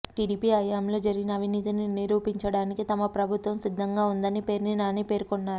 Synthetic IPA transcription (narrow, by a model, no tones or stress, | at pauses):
ʈiːɽiːpiːɐjaːmlo̞ːd͡ʒɐɾiɡinɐːʋʱiniːt̪ininiɾuːpiɲt͡ʃɐɽaːnikit̪ɐmɐpɾɐbʱut̪ʋɐmsid̪ʱːɐŋɡaːund̪ɐnipeːɾninaːniːpe̞ːɾkonːaːɾu